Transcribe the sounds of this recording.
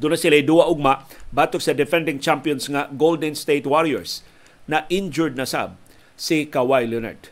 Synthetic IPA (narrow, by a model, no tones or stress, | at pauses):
d̪ʊnasɪlajd̪uaʔʊɡ̚mabat̪ok̚sɐd̪ɛfɛ̃nd̪ɪŋt͡ʃampjɔnsŋaɡold̪ɛnst̪ejt̪waɹiɛ̰ɹs | naʔɪnd͡ʒʊɹd̪̚nasa̰b̚ | sikawajlɛna̰ɹd̪̥